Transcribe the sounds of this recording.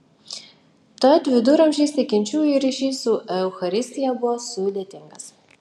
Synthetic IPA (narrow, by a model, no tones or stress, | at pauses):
t̪ɐt̪ʲʋʲɪd̪ʊɾɐmʲʒʲiːsʲɪkʲɪnʲt͡ʃʲuːjiɾʲiʃʲiːsʊʔɛʊxɐɾʲɪsʲt̪ʲɪjɛbʊʋɔsuːd̪ʲeɛt̪ʲɪŋɡɐs